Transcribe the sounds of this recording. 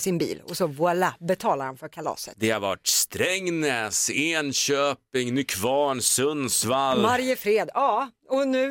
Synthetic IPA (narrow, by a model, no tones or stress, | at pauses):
sɪnbḭːlɔ̰sɔvʊɛlabɛt̪ʰɑːlaɾhanfœɾkʰalɑ̰ːsə̰t̪d̪ɛhaɾvaʈst̪ɾɛŋːnɛːseːnɕøːpɪŋnʏkʰvɑːɳsɵnsvalmaɾjəfɾeːd̪ɑːɔnʉ̟ː